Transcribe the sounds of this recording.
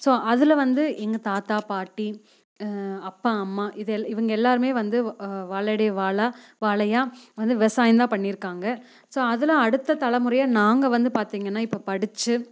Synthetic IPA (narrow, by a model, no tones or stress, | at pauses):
soːʔɐðɯlɐʋɐnd̪ɯʔɛŋɡɐt̪aːt̪aːpaːʈːi | ɐpːaɐmːaːʔɪðɛɪʋɐŋɡɐɛlːaːɾɯmeːʋɐnd̪ɯʋaːɭɐɽɐjɐʋaːɭa | ʋaːɭɐjaːʋɐnd̪ɯʋɪʋɐsaːjɪnd̪ãːpɐɳːɪɾɯkːaːŋɡɐ | soːɐðɯlãːɐɽɯt̪ːɐt̪ɐlɐmʊɾɐjaːnaːŋɡɐʋɐnd̪ɯpaːɾt̪iːŋɡɐnːaːɪpːopɐɽɪt͡ʃːɯ